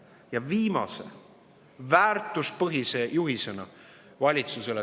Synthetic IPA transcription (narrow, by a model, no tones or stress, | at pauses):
jɑviːmɑ̰sḛ | væːrt̪ˑuspɤɦise̞juɦise̞nɑ | vɑlʲit̪suse̞le